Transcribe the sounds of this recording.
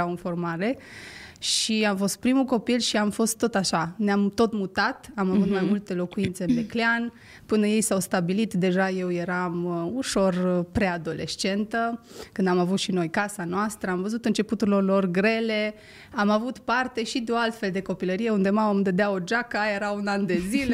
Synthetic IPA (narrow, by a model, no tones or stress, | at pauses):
awɨnfo̞rmaɾe̞ | ʃiamfo̞st̪̚pɾimuko̞pilʃiamfo̞st̪ːo̞t̪aʃaneamt̪o̞t̪mut̪at̪amavut̪majmult̪e̞lo̞kuint̪se̞ɨnbeklean | pɨnəje̞jsawst̪abilit̪d̪e̞ʒaje̞wje̞ɾamuʃo̞rpɾe̞ad̪o̞le̞̰ʃt͡ʃe̞nt̪əkɨnd̪amavut̪ʃino̞jkasanoast̪ɾəamvəzut̪ɨnt͡ʃe̞put̪uɾlorlo̞rɡɾe̞le̞ | amavut̪part̪e̞ʃid̪eo̞alt̪fe̞ld̪e̞ko̞piləɾije̞und̪e̞maomd̪əd̪eaod͡ʒakaje̞ɾaunand̪e̞zile